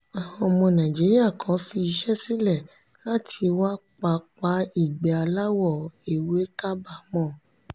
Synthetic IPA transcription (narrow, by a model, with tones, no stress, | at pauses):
a˨wɔ̃˧mɔ̃˧nã˨d͡ʒi˨˦ɾi˦a˦˨kʰã˨˦fi˧i˧ʃɛ˦si˦lɛ˦˨ | la˦tʰi˧wa˦k͡pa˧k͡pa˧˦i˨ɡ͡bɛ˨a˧la˦wɔ˦˨e˨we˨˦ka˦ba˦˨mɔ̃˦˨